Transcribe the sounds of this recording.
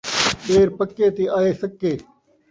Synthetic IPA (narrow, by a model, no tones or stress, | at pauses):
ɓeːɾpəkːeːt̪eːʔaːeːsəkːeː